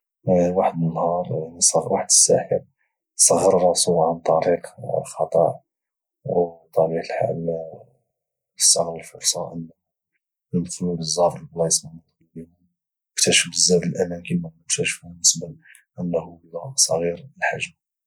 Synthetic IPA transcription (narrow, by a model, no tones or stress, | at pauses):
waħəd̪mənːhɑɾˤnisˤwaħd̪əsːæ̰ħəɾ | sˤɑɣːərˤɑsuʕant̪ˤɑɾiqlxɑt̪ˤə̰ʕ | wt̪ˤɑɾiqəlħa̰l | sːɑɣɾəlfʊɾˤsˤɑ̰ʔənː | əd̪xlubəzˤːɑɾəlblɑsməlmɑt̪ˤːɑlbin | mʊkt̪æʃəfəzːæd̪əlʔæmænkənmæmʊkt̪æʃfubənːəsbəl | ʔənːhuəlːæsˤɑɣiɾəlħaʒm